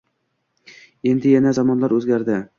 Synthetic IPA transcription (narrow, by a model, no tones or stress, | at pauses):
e̞nd̪ɪjanazɒmɒnlaɾɵzɡʲaɾd̪ɪ